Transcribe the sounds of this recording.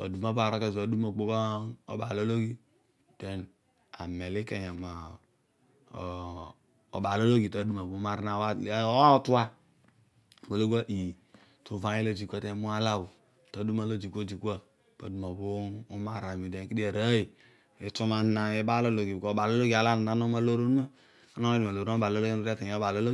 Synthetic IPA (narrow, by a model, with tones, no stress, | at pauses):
ta̰˨du˨ma˦ba˨ɾo˦ka˦˨a˨du˦ma˨ɡ͡bo˦kɔ˦o̰˨˦ba˨lo˦lo˦ɡi˦ | tɛ˨n | a̰˨me˨li˦ka˨ja˨ma˨ | o̰˨ba˨lo˦lo˦ɡi˨ta˨˦du˦ma˨bo˨˦ma˨ɾna˨wa˦tu˦a˦˨ | bo˨lo˦ɡʷa˦ʔi˨ | tu˨va˦i˦lo˦d͡ʒi˨kʷa˦te˦mu˦a˦la˦wu˨ | ta˨˦du˦ma˦lo˦d͡ʒi˨kʷo˦˨d͡ʒi˨kʷa˦ | pa˨du˨ma˨boː˦ma˦˨ɾa˨mi˨de˨˦ki˦di˦a˨ɾa˦i˨ | e˨to˦ma˨n˦na˨e˦ba˦lo˦lo˨ɡi˨bko˨ba˨lo˦lo˦ɡi˨a˨la˦na˨na˦no˦ma˦lo˦ɾo˦nu˦ma˦ | a˦no˦di˨ma˨o˨ɾo˦ba˨lo˦lo˦ɡo˦ɾa˦ka˨a˦ba˨lo˦lo˦